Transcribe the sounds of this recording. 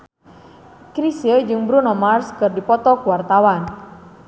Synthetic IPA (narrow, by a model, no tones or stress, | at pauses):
kɾisiəd͡ʒɨŋbɾunɔmarskɨrdipɔt̪ɔkuwart̪awan